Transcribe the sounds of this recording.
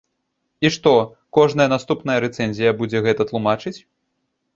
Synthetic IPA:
iʂt̪ɔ | kɔʐnɐjɐnast̪upnɐjɐɾɛt̪sɛnʲzʲijɐbud͡zʲɛɣɛt̪ɐt̪lˠumat͡ʂɨt͡sʲ

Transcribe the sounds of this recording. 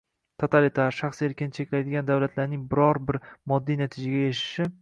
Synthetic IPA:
t̪ʰot̪ʰalit̪ʰaɾʃaχseɾkʲʰɪnɪt͡ʃʰe̞kʲlajd̪ɪɡʲand̪awlat̪ʰlaɾnɪŋbɪɾɒɾbɪɾmɒd̪ːijnat̪ʰɪd͡ʒaɡʲaeʃɪ̥ʃɪ

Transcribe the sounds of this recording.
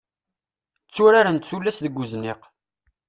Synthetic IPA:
t͡sːʊɾaɾənt̪θulːæsðəɡʷːuznɪq

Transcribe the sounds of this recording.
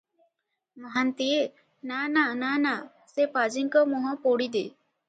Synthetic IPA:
maɦant̪ije | nananana | sepad͡ʒiŋkɔmɔɦɔ̃poɽid̪e

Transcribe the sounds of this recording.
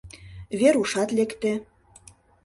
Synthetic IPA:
βeɾuʃɑt̪lekt̪ĕ

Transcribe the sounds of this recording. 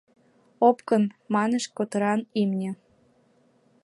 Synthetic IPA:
opkənmɑneʃkot̪ɤɾɑnimnʲĕ

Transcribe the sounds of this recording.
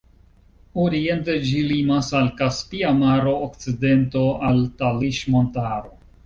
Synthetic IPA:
oɾie̞nted͡ʒilimasalkaspiamaɾo̞ːkt͡side̞nto̞altaliʃmo̞ntaɾo̞

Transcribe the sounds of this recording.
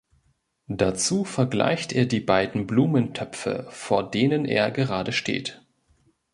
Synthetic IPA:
d̥at͡suːfɛɐɡla̰ɪçteːɐdiːbaɪdn̩bluːməntʰœpp͡fə̰foːɐdeːnənʔḛːɐɡəʁaːdəʃtḛːt

